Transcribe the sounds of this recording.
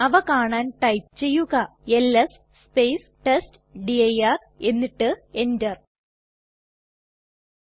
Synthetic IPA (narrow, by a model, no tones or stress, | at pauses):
ɐʋɐkaːɳaːnʈɐjpt͡ɕe̞jːuɣɐelːɐs | spejs | ʈest | ɖiɐjar | e̞nːiʈːɨe̞ndɐr